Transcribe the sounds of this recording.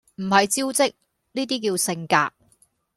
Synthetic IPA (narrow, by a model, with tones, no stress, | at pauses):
m̩˨˩hɐ˨jt͡siː˥wt͡sɪ˥k̚ | niː˥t̪̬iː˥k̬iː˧wsɪ˧ŋkaː˧k̚